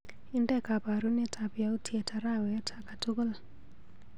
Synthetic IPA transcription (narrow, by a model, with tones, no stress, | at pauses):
i˦ndɛ˦ka˨pa˨ɾu˦ne˦tʰa˨pja˦u˦tʰiɛ˨ta˨ɾa˦wɛ˨˦tʰa˨ka˨tu˦ɣɔ˦l